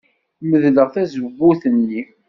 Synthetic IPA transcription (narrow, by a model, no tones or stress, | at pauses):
məðləʁθæzəbːuθənːi